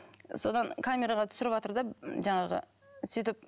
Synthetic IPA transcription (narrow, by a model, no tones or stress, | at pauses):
so̞d̪ɑŋkʰamʲe̞ɾɑʁɑt̪ʰʏ̥sɪɾɪpɑt̪əɾd̪ɑʒɑɴɑʁə̰ | sit̪ɪp̚